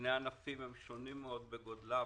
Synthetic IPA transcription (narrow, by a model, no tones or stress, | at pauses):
neanafimhemʃonimːeo̞d̪̚beɡod̪la